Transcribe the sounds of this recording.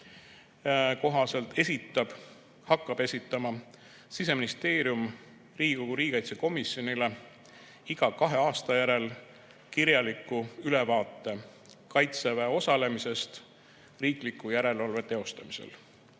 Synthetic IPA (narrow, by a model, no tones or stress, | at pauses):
ko̞ɦɑse̞lt̪e̞sit̪ːˑɑb̥ | hɑkːˑɑb̥e̞sʲit̪ːˑɑmɑ | sis̬e̞minist̪e̞ːɾjum | riːɡikoɡuɾiːɡikɑjt̪seko̞misjo̞nile | iɡ̥ɑkɑɦe̞ɑːst̪ɑjæɾe̞l | kiɾjɑlikːˑuyle̞vɑːt̪ːˑe̞ | kɑjt̪sevæo̞sɑle̞mise̞st̪ | riːklikːˑujæɾe̞lɑlve̞t̪e̞o̞st̪ɑmise̞̰l